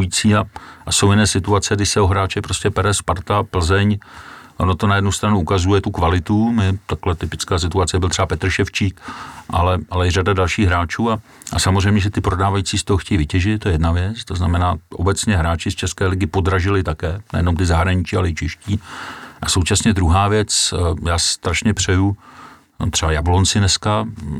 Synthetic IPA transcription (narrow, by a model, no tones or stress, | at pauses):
jit͡siːaʔasowjɪnɛːsɪt̪uat͡sɛɡdɪsɛoɦɾaːt͡ʃɛpɾoscɛpɛɾɛspaɾt̪apl̩zɛɲʔonot̪o̞najɛdnust̪ɾanuʔukazujɛt̪ukvalɪt̪umɪt̪aklɛt̪ɪpɪt͡skaːsɪt̪uatt͡sɛbɪlt̪r̥ɛbapɛt̪r̩ʃɛft͡ʃiːkʔa̰lɛʔalɛjɪradadalʃiːɣɦɾaːt͡ʃuːa | ʔasamozrɛjmɲɛʒɛt̪ɪpɾo̞daːvajit͡siːst̪oɦoxcɛjivɪcɛʒɪt̪t̪ːojɛjɛdnavjɛt͡st̪oznamɛnaːʔo̰bɛt͡sɲɛɦɾaːt͡ʃɪst͡ʃɛskɛːlɪɡɪpo̞dɾaʒɪlɪt̪akɛːnɛ̰jɛno̞mt̪ɪzaɦɾaɲɪt͡ʃɪalɛɪt͡ʃɛʃciːʔaso̞wt͡ʃasɲɛd̪ɾuɦaːvjɛt͡sjaːst̪ɾaʃɲɛpr̝̥ɛju | t̪r̝̥ɛbajablont͡sɪnɛska